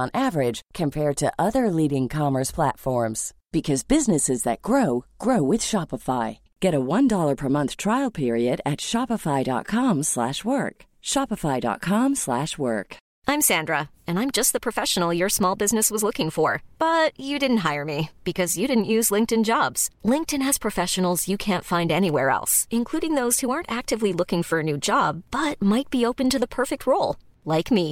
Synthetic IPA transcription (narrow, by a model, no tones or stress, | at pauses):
ə̃nʔævə˞ɪd̥ʒ̥kʰɨ̃mpʰɛɹd̚tʰɨʔʌðə˞liɾɪ̃ŋkʰɑmə˞spʰl̥ætfɔɹmz̥b̥ɨkʰʌzbɪznɨsɨzðɨt̚ɡ̥ɹoʊɡ̥ɹoʊwɨð̥ʃɑpəfaɪ | ɡ̥ɛɾəwʌ̃ndɔlˠə˞pʰə˞mʌ̃nθtʰɹ̥aɪl̩ˠpʰɪɹiɨɾɨtʃɑpəfaɪdɑ̰t̚kʰɑ̃mslæ̰ʃwɜ˞k | ʃɑpəfaɪdɑ̰t̚kʰɑ̃mslæʃwɜ̰˞k | ʔãɪ̃msæ̃ndɹə | ɨ̃nãɪ̃md͡ʒʌst̪̚ðəpʰɹ̥ɨfɛʃə̃n̩l̩ˠjə˞smɔlˠbɪznɨswʌzlʊkɪ̃ŋfə˞b̥ʌt͡ʃɨdɪdⁿn̩t̚ɦaɪə˞mib̥ɨkʰʌzjɨɾɪdⁿn̩ʔjʉzlɪ̃ŋk̚tɨ̃nd͡ʒɑbz̥lɪ̃ŋk̚tɨ̃nɨz̥pʰɹ̥ɨfɛʃɨn̩l̩ˠzjɨkʰæ̃ntfãɪ̃ndɛniwɛɹɛ̰lˠsɨ̃nkʰl̥uɾɪ̃ŋðoʊz̥huɑɹntæk̚tɨvlilʊkɪ̃ŋfə˞ɨnʉd͡ʒɑb̚b̥ʌt̚maɪt̚b̥ioʊpɨ̃ntɨðəpʰɜ˞fɪk̚t̚ʰɹoʊlˠ | laɪkmi